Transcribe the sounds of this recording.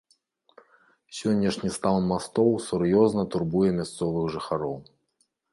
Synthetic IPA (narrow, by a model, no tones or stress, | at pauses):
sʲɔnʲːɐʂnʲist̪aw̪nmast̪ɔwsurjɔznɐt̪urbujɛmʲast̪sɔvɨɣʐɨxaɾɔw